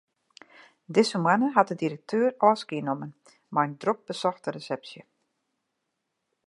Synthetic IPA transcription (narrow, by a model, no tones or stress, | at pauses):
dɪsəmwanəɦat̚dədiɾək̚tʰøːrɔːskiənomən | majəndrok̚bəsɔxtəresɛpsjə